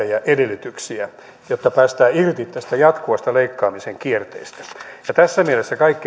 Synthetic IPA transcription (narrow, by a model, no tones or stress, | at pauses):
æjɑʔedelːyt̪yksiæ | jot̪ːɑpæːst̪æːirt̪it̪t̪æst̪æjɑt̪kuʋɑst̪ɑleikːɑːmiseŋkiert̪ḛist̪æ̥jɑt̪æsːæmielesːækɑikːi